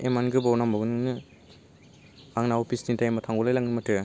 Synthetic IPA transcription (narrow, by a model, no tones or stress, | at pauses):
emanɡɯbawnambaɡɯnɯŋnɯ | aŋnaopʰisdintajmatʰaŋɡɔlajlaŋnɯmɐtɯ